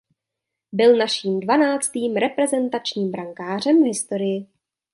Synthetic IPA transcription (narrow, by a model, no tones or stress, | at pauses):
bɪlnaʃiːmdvanaːt͡st̪iːmɾɛpɾɛzɛnt̪at͡ʃɲiːmbɾaŋkaːr̝ɛmvɦɪst̪o̞ɾɪjɪ